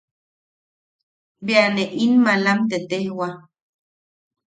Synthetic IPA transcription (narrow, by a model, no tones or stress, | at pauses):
beaneʔinmalamt̪et̪ehwa